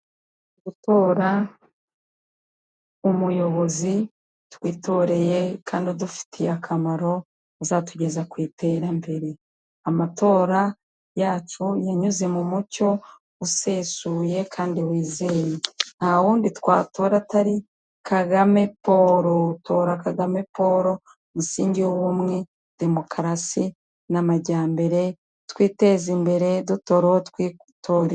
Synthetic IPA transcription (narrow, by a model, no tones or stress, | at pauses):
ɡutoːɾa | umujo̞βo̞zi | twiːto̞ɾe̞je̞kʰaːndiodufi̥tʰiakʰamaɾo̞ | azatuɟe̞zakwiːte̞ɾambe̞ɾe̞ | amatʰo̞ːɾa | jaːt͡ʃujaɲuze̞mumuco̞ | useːsuːje̞kʰaːndiwiːzejenaawuːnditkwa̰ːto̞ːɾataɾi | kʰaɡame̞poːɾotʰo̞ːɾakaɡame̞po̞ɾo̞ | musiːɲɟiowumŋe̞ | d̥e̞mo̞kʰɾasi | namaɟaːmbe̞ɾe̞ | tkwiːte̞zimbe̞ɾe̞duto̞ɾootkwi | toːɾe